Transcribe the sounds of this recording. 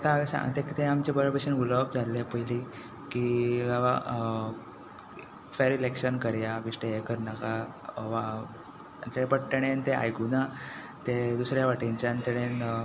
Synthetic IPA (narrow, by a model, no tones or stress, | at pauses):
kasa̰t̪ekt̪eamt͡ɕebəɭbeɕənuləbd͡zʱalepəjli | kiaʋa | feɾilekɕənkəɾjaʋiʂʈeekəɾnaka | ʋa | t͡ɕeɽẽpəʈːəɽ̃ent̪ea̰jkuna | t̪ed̪usɾjaʋaʈiɲt͡ɕant̪eɽẽn